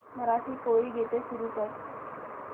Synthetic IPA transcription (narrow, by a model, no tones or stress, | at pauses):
məɾasiːkoiːɡʱet̪esuɾuːt̪aj